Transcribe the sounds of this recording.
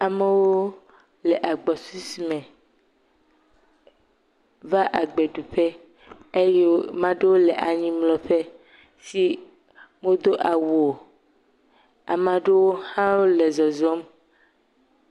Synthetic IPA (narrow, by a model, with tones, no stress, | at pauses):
a˨mẽ˨woo˦ | lɛ˨ʔa˨ɡ͡bɔ˨su˦si˨mɛ̃˨ | va˦ʔa˨ɡ͡be˨ɖu˨ɸe˦ | e˦je˦wmã˨ɖe˦wo˦lɛ˨ʔa˨ɲĩ˦mlɔ˨ɸɛ˦ | si˦ | mõ˦d̪o˦ʔa˨wu˨o˨ | a̰˨mã˨ɖe˦wo˦hã˦wo˦le˨zɔ˨zɔ˦m